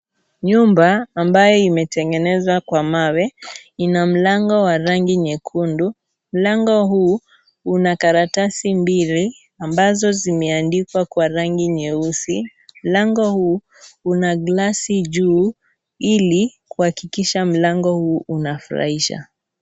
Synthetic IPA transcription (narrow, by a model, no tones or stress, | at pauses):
ɲumbaːmbajɔimɛtɛŋɡɛnɛzwakwamawɛinam̩laŋɡɔwaɾaŋɡiɲɛkʰundu | m̩laŋɡɔɦu | unakaɾatasimbili | ambazɔzimɛandikwakwaɾaŋɡiɲɛusim̩laŋɡɔhu | unaɡlasiʄuː | ilikuhakikiʃam̩laŋɡɔhuːʔunafuɾa̰hiʃa̰